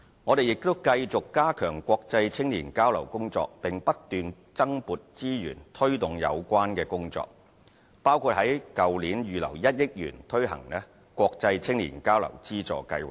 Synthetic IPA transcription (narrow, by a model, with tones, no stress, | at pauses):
ŋɔː˨˧d̪e˨jɪ˨k̚t̪o˥wkɐ˧jt͡sʊ˨kːaː˥kʰœː˨˩ŋkʷɔː˧k̚t͡sɐ˧jt͡sʰɪ˥ŋliː˨˩nkaː˥wlɐ˨˩wkʊ˥ŋt͡sɔ̰ː˧k̚pɪ˨ŋpɐ˥t̚t̪yː˨n | t͡sɐ˥ŋpuː˨t̚t͡siː˥jy̰ː˨˩nt̪ʰɵ˥ɥt̪ʊ˨ŋjɐ̰˨˧wkʷwaː˥nkɛː˧kʊ˥ŋt͡sɔ̰ː˧k̚ | paː˥wkʰuː˧t̚hɐ˨˥jkɐ˨wliː˨˥njyː˨lɐ̰˨˩wjɐ˥t̚jɪ˥k̚jy̰ː˨˩nt̪ʰɵ˥ɥɦɐ̰˨˩ŋlɛː˥ | kwɔː˧k̚t͡sɐ˧jt͡sʰɪ˥ŋlḭː˨˩nkaː˥wlɐ̰˨˩wt͡siː˥t͡sɔ̰ː˨kɐ˧jwa˨˩